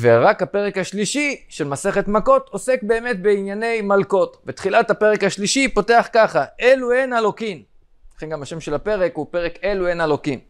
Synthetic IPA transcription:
veʁakhape̞ʁekhaʃliʃiʃe̞lmase̞χe̞tmako̞to̞se̞k̚be̞ːmetbe̞injane̞jmalko̞tvet̪χilathape̞ʁekhaʃliʃipo̞te̞aχkaχaʔeluenalo̞kim | aχenɡamhaʃemʃelapeʁekhupe̞ʁekeluenalo̞kim

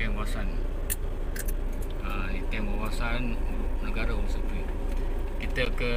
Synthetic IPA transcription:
ɛmbasan | əit̪embawasan | nəɡaɾaumsupi | kit̪akə

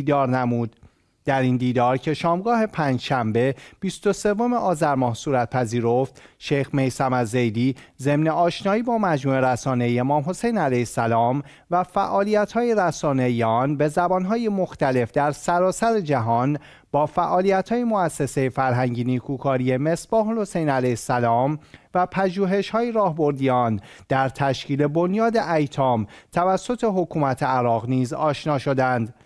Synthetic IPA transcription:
d̪ɒːɾnæmuːd̪̥ | d̪̥æɾind̪iːd̪ɒːɾcʰe̞ʃɒːmɡɒːɦe̞pʰæːnd͡ʒʃæmbe̞b̥ist̪o̞se̞vo̞meʔɒːzæɾmɒːhsuːɾæt̪̚pʰæziːɾo̞ft̪ | ʃejxme̞jsæmæd̪zejd̪iːze̞mne̞ʔɒːʃnɒːiːbɒːmæd͡ʒmuːe̞ɾæsɒːne̞iemɒːmɦo̞se̞jnælæjesælɒːm | væfæʔɒːlijæt̪hɒːjeræsɒːne̞ijeɒːnbe̞zæbɒːnɦɒːje̞mo̞xt̪æle̞fd̪æɾsæɾɒːsæɾe̞d͡ʒæɦɒn | bɒːfæʔɒːlijæt̪hɒːjemoæsːese̞jefæɾɦæɲɟiniːkʰuːkʰɒːɾie̞me̞sb̥ɒːɦolho̞se̞jnælæjsælɒːmvæpʰæʒuːɦe̞ʃhɒːjeɾɒːhbo̞ɾd̪iɒːnd̪̥æɾt̪ʰæʃciːle̞bo̞njɒːd̪e̞ʔæjt̪ʰɒːmt̪ʰævæsːo̞t̪ʰe̞ɦo̞kʰuːmæt̪ʰe̞æɾɒːɣniːzɒːʃnɒːʃo̞d̪ænd̪

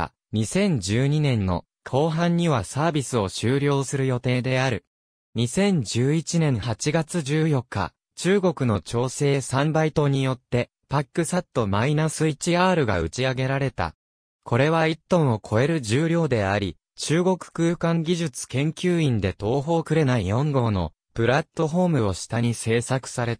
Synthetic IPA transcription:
ɲ̟isẽ̞ɲ̟d͡ʑɨːɲ̟inẽ̞nːo̞̰ | kʰo̞ːɦãɲ̟ːiβasaːbʲisɨo̞ɕɨːɾʲjo̞ːsɨɾɯ̟jo̞t̪e̞ːd̪e̞aɾɯ̟ | ɲ̟isẽ̞ɲ̟d͡ʑɨːit͡ɕinẽ̞ɰ̃hat͡ɕiɡat͡sɨʑɨːjo̞kʰːa̰ | t͡ɕɨːɡo̞kɯ̟no̞t͡ɕo̞ːse̞ːsãmbait̪o̞ɲ̟ijo̞t̪ːe̞ | pakːɯ̟sat̪ːo̞mainasɨit͡ɕiaːɾɯ̟ɡa̰ɯ̟t͡ɕiaɡe̞ɾaɾe̞t̪a̰ | kʰo̞ɾe̞βait̪ːõ̞ɰ̃o̞kʰo̞e̞ɾɯ̟ʑɨːɾʲjo̞ːd̪e̞aɾʲi | t͡ɕɨːɡo̞kɯ̟̥kɯːkãŋɡʲiʑɨt͡sɨ̥kẽ̞ŋkʲɨːĩnd̪e̞t̪o̞ːɦo̞ːkɯ̟ɾe̞naijõ̞ŋɡo̞ːno̞̰ | pɯ̟ɾat̪ːo̞ɦo̞ːmɯ̟o̞ɕi̥t̪aɲ̟ise̞ːsakɯ̟̥saɾe̞t̪

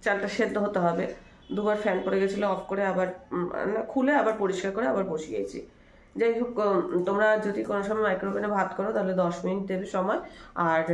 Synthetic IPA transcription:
t͡ɕalʈaʃed̪ːoɦot̪eɦɔbe | d̪ubaɾfɛnpoɽeɡet͡ɕʰiloɔfʰkoɾeabaɾ̰nakʰuleabaɾpoɾiʃkaɾkoɾeabaɾboʃiɡḛet͡ɕʰḭ | d͡ʑejokt̪omɾad͡ʑod̪ikonoʃɔmajmajkɾobenebʱat̪kɔɾot̪aɦoled̪ɔʃmin̚d̪ebiʃɔmɔeaɾ

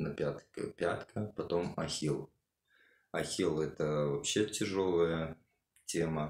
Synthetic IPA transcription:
nəpʲat̪kə̰pʲat̪kʰəpɐt̪o̞mɐxʲilˠ | ɐxʲilˠɛt̪əvɐpɕːe̞tʲɪʐo̞lˠəjə | tʲe̞mə

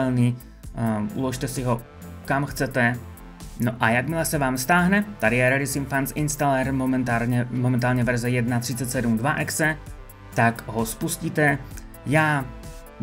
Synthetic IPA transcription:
ɛlniː | ṵlɔʃt̪ɛsiɦɔ | kamxt͡sɛt̪ɛ | noʔajaɡmilasɛʋaːmst̪aːɦnɛt̪adijɛɾɛɾisimfansinst̪alɛɾmɔmɛnt̪aːlɲɛmɔmɛnt̪aːlɲɛvɛɾzɛjɛd̪̚nat̪r̥it͡sacsɛd̪umd̪ʋaʔɛksɛ | t̪aɡɦɔspusciːt̪ɛ | jaː

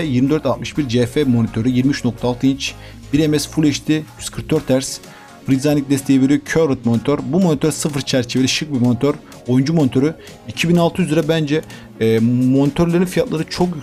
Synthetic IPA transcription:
ɛjiɾmid̪øɾt̪alt̪mɯʃbiɾd͡ʒefɛmo̞nit̪ʰø̞ɾyjiɾmiyt͡ʃno̞k̚t̪ʰaːlˠt̪ʰɯint͡ʃ | biɾemɛsfulʲɛʃt̪ʰiy̥skʰɯɾt̪ʰːøɾt̪ʰːæɾs | bɾizanic̚d̪ɛst̪ʰeive̞ɾijocʰøɾɯt̪̚monit̪ʰøɾbumonit̪ʰøɾsɯfɯɾt͡ʃʰæɾt͡ʃʰeved̪ʲɛʃɯk̚bimonit̪ʰøɾ | ojund͡ʒumo̞nit̪ʰo̞ɾy | icʰibinalˠt̪ʰɯyziɾɛbænd͡ʒɛː | mo̞nit̪ʰøɾlʲˠeɾinfijat̪lˠaɾɯt͡ʃʰo̞kjy

